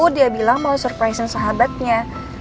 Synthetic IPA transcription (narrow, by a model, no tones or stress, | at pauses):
udiabilaŋmawsɔrpɾajsənsaɦabat̪̚ɲa